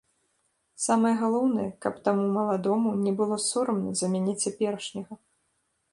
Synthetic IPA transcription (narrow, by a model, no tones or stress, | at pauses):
samɨjɛɣalˠɔwnɨjɛkɐpt̪amumɐlˠad̪ɔmunʲɛbɨlˠɔsuɾɐmnɐzɐmʲanʲɛt͡sʲapʲɛɾɐʂnʲɐɣɐ